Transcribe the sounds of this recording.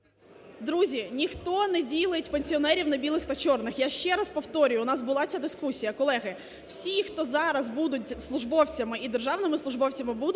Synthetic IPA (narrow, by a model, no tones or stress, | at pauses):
d̪ɾuzʲinʲixt̪ɔnɛdʲilˠɪtʲpenʲsʲiɔnɛɾʲiwnɐbʲilˠɪxt̪ɐt͡ʃɔrnɪxjaʃt͡ʃɛɾɐspɔwt̪ɔɾʲʊjʊnɑzbʊlˠɑt͡sʲad̪ɪskusʲijɐkɔlˠɛɦɪ | w̥sʲixt̪ɔzɑɾɐzbud̪ʊtʲslˠʊʒbɔwt͡sʲɐmɪid̪erʒɑwnɪmɪslˠʊʒbɔwt͡sʲɐmɪbud̪